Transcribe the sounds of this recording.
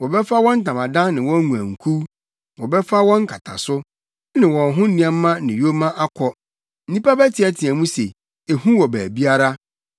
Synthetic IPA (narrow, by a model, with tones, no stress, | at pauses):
wɔ˨bɛ˦fa˦wɔ̃˦n̩˦tʰã˨mã˨dã˦nnɪ̃˨wɔ̃˦ŋũ˨æ̰̃˨ŋ̩˨kʰu˦ | wɔ˨bɛ˦fa˦wɔ̃˦ŋ˦kʰa˨tʰa̰˨sʊ˦ | nɪ̃˨wɔ̃˨nɦʊ̃˦ĩ˨ɛ̃˦mː˦ã˦nɪ̃˨jo˦mã˦ʔa˦kʰɔ˦ | n̩˦nĩ˦pa˦bæ˦tʰɪ˨ɛ˦tʰɪ̃˨æ˨mũ˦se˨ | e˨hũ˦wɔ˨bæː˨bi˦a˦ɾa˦